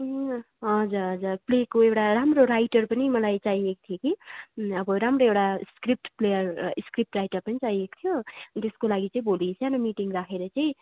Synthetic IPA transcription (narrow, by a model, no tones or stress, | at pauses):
ɦʌd͡zʌɾɦʌd͡zarplekoewʈaramroɾajʈʌrpʌnimʌlajt͡saiek̚t̪ʰijokiʌbʌɾamroewʈaskrip̚ʈplejʌrskrip̚ʈrajʈʌrpʌnit͡saɦiek̚t̪ʰijot̪eskolaɡit͡saĩbolisʰanʌmiʈiŋɡrakʰeɾʌt͡saĩ